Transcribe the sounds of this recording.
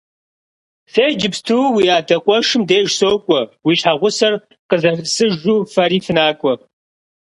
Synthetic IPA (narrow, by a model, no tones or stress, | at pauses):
seːd͡ʒɪpstʰuːwiːaːdɐqʷʼɔʂɨmdeːʒsoːkʷʼɔwiːɕħaʁʷʊsɐr | qəzɐrɨsɨʒuːfɐriːfɨnaːkʷʼɔ